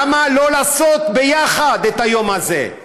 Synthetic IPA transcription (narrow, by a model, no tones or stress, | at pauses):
malo̞laːso̞t̪be̞jaχad̪et̪hajo̞mazḛ